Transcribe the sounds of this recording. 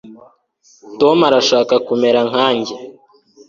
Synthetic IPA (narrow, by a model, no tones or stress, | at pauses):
tomaɾaʃaːkakume̞ɾaŋ̥haːɲɟe